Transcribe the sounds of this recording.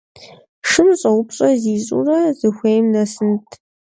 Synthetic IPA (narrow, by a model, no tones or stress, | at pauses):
ʂɨmɕʼɐwʊpɕʼɐziːɕʼṵrɐzɨxʷejmnɐsɨntʰ